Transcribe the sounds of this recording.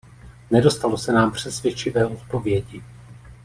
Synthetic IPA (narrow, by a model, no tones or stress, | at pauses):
nɛdo̞st̪alo̞sɛnaːmpr̝̥ɛsvjɛt͡ʃɪvɛːʔo̞t̪̚po̞vjɛɟɪ